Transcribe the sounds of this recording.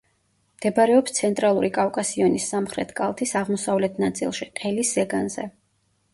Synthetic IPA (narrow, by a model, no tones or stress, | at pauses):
md̪̥ɛbaɾɛɔpst̪sʰɛnt̪ʼɾalˠuɾikʼafkʼasiɔnisːamχɾɛt̪ʰkʼa̰lˠt̪ʰisaʁmɔsavlɛt̪ʰnat̪sʼḭlˠʃiqʼɛlisːɛɡanzɛ̰